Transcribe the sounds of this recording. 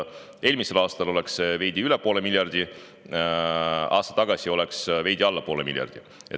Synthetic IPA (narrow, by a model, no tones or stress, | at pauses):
e̞ːlmise̞lɑːst̪ɑlo̞le̞kseve̞jd̪̥iylepo̞ːle̞miljɑrd̪i | ɑ̰ːst̪ɑ̥t̪ːɑɡ̥ɑsio̞leksve̞jd̪iɑlːɑpo̞ːle̞mḭlʲjɑ̰rd̪̥i | e